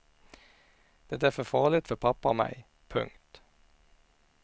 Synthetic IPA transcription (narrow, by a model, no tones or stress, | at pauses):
d̪̥ɛt̪ːæːfɔfɑːlɪt̪fɔpʰɑpɑomæ̰ɪ | pʰʉ̰ŋt̪